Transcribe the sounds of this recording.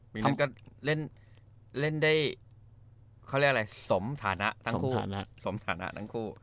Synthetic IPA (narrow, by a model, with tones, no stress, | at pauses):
miː˨˩˧kɔ˥˩le˥˩n | le˥˩ndaː˥˩j | kʰa˥˩wɾi˥˩ka˧a˧jso˩˦mt̪ʰaː˩˦na˦˥ʔt̪ʰa˥kʰuː˥˧˥so˩˦mt̪ʰaː˩˦na̰˦˥ʔt̪ʰa˥˩ŋkʰuː˥˩